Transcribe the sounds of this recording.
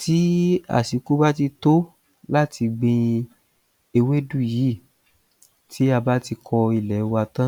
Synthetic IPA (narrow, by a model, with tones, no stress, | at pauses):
tʰi˨˦a̰˦˨si˨˧ku˦ba˦t̬i˧to˦ | la˦˨ti˧ɡ͡bĩ˧ | e˧we˦du˦˨ji˨˦˨ | ti˦a˧ba˦ti˧kʰɔ˧i˨lɛ˨˦wa˧tã˦